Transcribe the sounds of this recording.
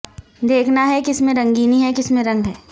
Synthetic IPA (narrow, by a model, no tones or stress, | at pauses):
d̪eːkʰnaɦɛkɪsmẽɾɐ̃ŋɡiːniɦɛkɪsmẽɾɐ̃ŋɡɦɛː